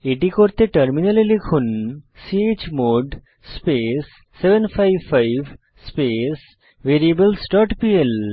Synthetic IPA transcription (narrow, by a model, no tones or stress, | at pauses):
eʈikoɾt̪eʈɐɾminɐlilikʰunsieːt͡ʃmoːɖ | spesː | eʋənpʰaɪʋfaɪʋ | speːs | ʋeɾiebəlsʈɔʈpiel